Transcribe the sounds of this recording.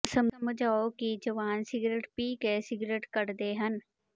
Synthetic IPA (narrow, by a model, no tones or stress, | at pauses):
səmməd͡ʒʱaːokid͡ʒɐʋaːnsɪɡɾeːʈpiːkesɪɡɾeːʈkəɾd̪eːɦən